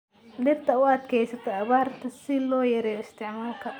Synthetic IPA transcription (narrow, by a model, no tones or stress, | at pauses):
d̪ɐbt̪ʰɐʊɐd̪kʰɛjsɐt̪ʰɐɐβaːrt̪ʰɐsɪlɔːjɐɾɛjɔɪst̪ɪʕmaːlkʰɐ